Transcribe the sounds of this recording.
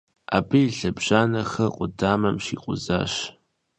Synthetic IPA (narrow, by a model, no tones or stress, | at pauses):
aːbɨjiɬɐbʒ̥aːnɐxɐqʷʼʊdaːmɐmʃiːqʷʼʊza̰ːʃ